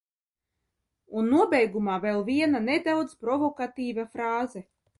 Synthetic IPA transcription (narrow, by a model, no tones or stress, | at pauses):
unːuɔbɛjɡumaːvelˠviɛnaned̪awd̪zpɾɔvɔkat̪iːvafɾaːzɛ